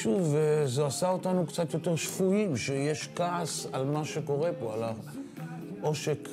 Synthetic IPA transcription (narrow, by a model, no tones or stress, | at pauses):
ʃuvezeasao̞tanukt͡sat̪jo̞te̞ʁʃfuimʃejeʃkaːsalmaʃeko̞ʁe̞po̞ala | o̞ʃe̞k